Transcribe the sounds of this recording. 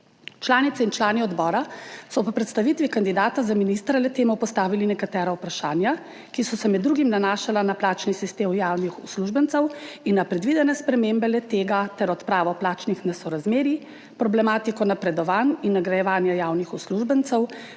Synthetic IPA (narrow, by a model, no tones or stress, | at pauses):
t͡ʃlaːnit̪sɛint͡ʃlaːniɔd̪bɔːɾasɔpɔpɾɛt̪st̪aʋit̪ʋikand̪id̪aːt̪azaminist̪ɾalɛt̪eːmɔpɔst̪aːʋilinɛkat̪ɛːɾaupɾaʃaːnja | kisɔsɛmɛd̪ːɾuɡimnanaːʃalanaplaːt͡ʃnisist̪eːmjaːwnixusluʒbənt̪sɛwinːapɾɛd̪ʋid̪ɛnɛspɾɛmeːmbɛlɛt̪eːɡat̪ɛɾɔt̪pɾaːʋɔplaːt͡ʃnixnɛsɔɾazmeːɾi | pɾɔblɛmaːt̪ikɔnapɾɛd̪ɔʋaːninːaɡɾajɛʋaːnjajawnixusluʒbənt̪sɛw